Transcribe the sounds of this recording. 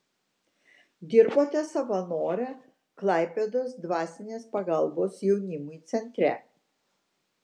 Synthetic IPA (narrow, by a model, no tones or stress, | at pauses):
d̪ʲɪɾboːt̪ʲɛsɐʋɐnoːɾʲɛ | klˠɑˑɪpʲed̪oːsd̪ʋɑːsʲɪnʲeːspɐɡɐlˠboːsjɛʊnʲɪmʊjt̪sʲɛnʲt̪ʲɾʲɛ̰